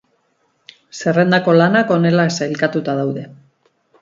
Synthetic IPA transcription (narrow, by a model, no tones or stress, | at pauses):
se̞re̞nd̪ako̞lanako̞ne̞laesailkat̪ut̪aðawðe̞